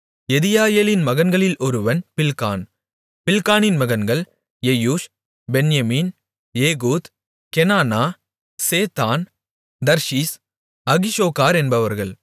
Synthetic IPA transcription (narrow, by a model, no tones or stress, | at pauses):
ɛðɪjaːjeːlɪnmɐɣɐnɡɐɭɪlʔɔɾɯʋɐnpɪlkaːn | pɪlkaːnɪnmɐɣɐnɡɐɭ | jɛjuːʂ | bɛnjɐmiːn | eːɣuːt̪ | kɛnaːnaː | seːt̪aːn | d̪ɐɾʂiːs | ɐɣɪʃoːkaːɾɛnbɐʋɐɾɣɐɭ